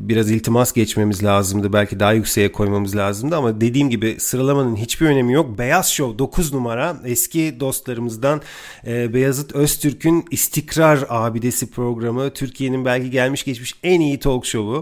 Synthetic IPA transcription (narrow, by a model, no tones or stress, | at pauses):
biɾazilʲt̪ʰimasɟɛt͡ʃme̞mizlʲaːzɯmd̪ɯbælʲcʰid̪aɦajycse̞jɛkʰo̞jmamɯzlʲaːzɯmd̪ɯamad̪e̞d̪iːmɟibɪsɯɾalˠamanɯnɦit͡ʃbiɾø̞ne̞mijo̞k̚be̞jazʃo̞wd̪o̞kʰuznumaɾaɛscʰid̪o̞st̪lˠaɾɯmɯzd̪anː | bɛjazɯt̪ʰøst̪ʰyɾcʰynist̪ʰicɾaɾaːbid̪e̞sipʰɾo̞ɡɾamɯt̪ʰyɾcʰije̞ninbælʲcʰiɟælʲmiʃɟɛt͡ʃmiʃænijit̪ʰo̞lˠkʃo̞βʊ